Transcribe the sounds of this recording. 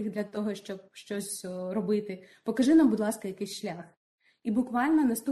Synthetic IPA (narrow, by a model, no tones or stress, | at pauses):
iɣd̪lʲɐt̪ɔɦɔʃt͡ʃɔb̚ʃt͡ʃɔsʲrɔbɪt̪ɪpɔkɐʒɪnambʊd̪lˠɑskɐjɐkɪjsʲʃlʲax | ibʊkʋɑlʲnɔnɐst̪u